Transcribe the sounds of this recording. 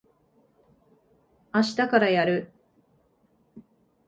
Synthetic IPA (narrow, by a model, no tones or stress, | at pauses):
aɕi̥t̪akaɾajaɾɯ̟